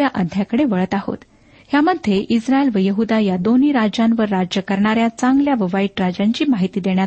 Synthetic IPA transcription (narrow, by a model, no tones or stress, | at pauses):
jaʔəd̪ʱːjakəɽeʋəɭət̪aho̰t̪ | hjaməd̪ʱːjeʔisɾaelʋəjəɦud̪ajad̪oniːɾad͡ʑãnʋəɾːad͡ʑjəkəɾɳaɾjat͡sãŋɡljaʋəʋaiʈɾad͡ʑaɲt͡ɕiːmaɦit̪iːd̪eɳja